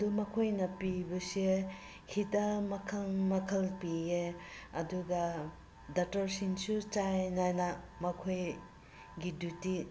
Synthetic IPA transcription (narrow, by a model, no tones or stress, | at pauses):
dumɐkʰojnɐpibɐse | hitɐmɐkʰɐlmɐkʰɐlpieɐduɡɐ | dɐtɐɾsinsut͡ʃajnajnamɐkʰoj | ɡiduti